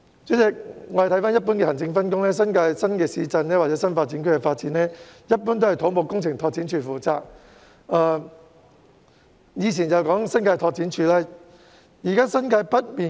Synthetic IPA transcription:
t͡so˨˥t͡sɛ˨˧k̚ŋɔː˨˧ht̪ʰɐ˨˥jfaː˥njɐ˥t̚p̬uː˨˥nkɛː˧hɐ˨˩ŋt͡sɪ˧ŋfɐ˥nkʊ˥ŋlɛː˥sɐ˥nkaː˧jsɐ˥nkɛː˧siː˨˥t͡sɐ˧nlɛː˥waː˨tt͡sɛ˨˥sɐ˥nfaː˧t̚t͡siː˨˥nkʰɵ˥kɛ˧faː˧t̚t͡siː˨˦˥nɛː˥jɐ˥t̚pu˨˥nt̪o˥whɐ˨jt̪ʰo˨˥wmo˨˧wkʊ˥ŋt͡sʰɪ˨˩ŋt̪ʰɔː˧k̚t͡si˨˥nt͡ʃʰyː˧fuː˨t͡saː˨˧k̚ | aː˧ | jiː˨˧t͡ɕʰiː˨˩nt͡sɐ˨˩wkɔː˨˥ŋsɐ˥nkaː˧jt̪ʰɔː˧k̚t͡si˨˥nt͡ʃʰyː˧lɛː˥ | jiː˨˩kaː˥sɐ˥nkaː˧jpɐ˥t̚miː˨

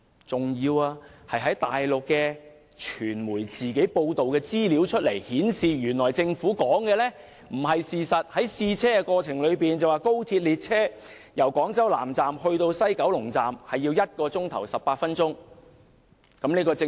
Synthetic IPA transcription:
t͡sʊ˨ŋjiː˧waː˧hɐ˨jɦɐ˨˥jt̪aː˨jlʊ˨kːɛː˧ | t͡ʃʰyː˨˩nmuː˨˩jt͡siː˨˩ke˨˥jpo˧wt̪o˨wkɛː˧t͡siː˥li˨˥wt͡ʃʰɵ˥t̚le˨˩jhiː˨˥nsiː˨jyː˨˩nlɔː˨˩jt͡sɪ˧ŋfuː˨˥kɔː˨˥ŋkɛː˧lɛː˥ | m̩˨˩ɦɐ˨jsiː˨˩sɐ˨t̚hɐ˨˥jsiː˧t͡sʰɛː˥kɛ˧kɔː˧t͡sʰɪ˨˩ŋlɵ˨˧ɥpiː˨nt͡sɐ˨waː˨˧ko˥wt̪ʰiː˧t̚liː˨t̚t͡sʰɛː˥ | jɐ˨˩wkɔː˨˥ŋt͡sɐ˥wla̰ː˨˩mt͡saː˨mhɵ˧ɥt̪o˧wsɐ˥jkɐ˨˥wlʊ˨˩ŋt͡saː˨mhɐ˨jːi˧wjɐ˥t̚kɔː˧t͡sʊ˥ŋt̪ʰɐ˨˩wsɐ˨pːaː˧t̚fɐ˥nt͡sʊ˥ŋ | kɐ˨˥mniː˥kɔː˧t͡sɪ˧

